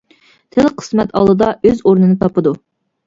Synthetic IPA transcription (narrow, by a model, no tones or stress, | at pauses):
t̪ʰɪlqʰə̥smɛt̪ʰɑ̰lˠɨd̪ɑøzoɾnɨnɨt̪ʰɑpɨd̪u